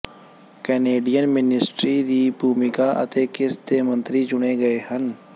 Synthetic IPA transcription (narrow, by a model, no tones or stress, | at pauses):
kɛːneːɖijənmɪnɪsʈɾid̪iːbʱuːmɪkaʔɐ̰t̪eːkɪsd̪eːmə̃nt̪ɾit͡ʃʊneɡɐehən